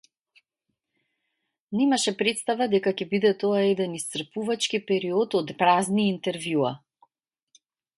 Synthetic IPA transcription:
nimaʃɛpɾɛt̪st̪avad̪ɛkakɛbid̪ɛt̪oaɛd̪ɛnist̪sr̩puvat͡ʃkipɛɾiɔt̪ɔt̪pɾazniːnt̪ɛɾvjua

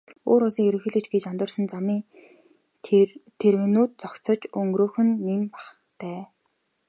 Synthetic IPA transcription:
oːɾʊɮsiːŋɵɾɵ̆ŋxiːɮɘ̆t͡ɕɡet͡ɕɔnt̪ə̆rsə̆nt͡samiːŋ | t̪ʰːeɾwɘ̆nuːt̪̚t͡sɔkt͡sɞ̆t͡ɕɵŋɡɾoːxɘ̆nːimpḁχ | t̪æː

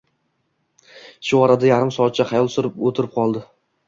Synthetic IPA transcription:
ʃʊɒɾad̪ajaɾɪmsɒt̪̚t͡ʃʰaχɑjɒlˠsʊɾɪpot̪ʰɪɾɪp̚qʰɒlˠd̪ɪ

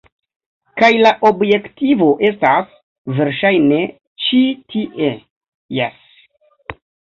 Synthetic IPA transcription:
kajlaʔo̞bjektivo̞ʔe̞stas | ve̞ɾʃajne̞ | t͡ʃitʰiʔe | jes

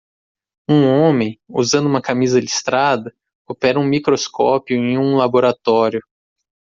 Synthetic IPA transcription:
ũõmẽj̃ṵzɐ̃d̪uũmɐkamizɐlist̪ɾad̪ɐ | opɛɾɐũmikɾoskɔpjʊẽj̃ũlaboɾat̪ɔɾjʊ

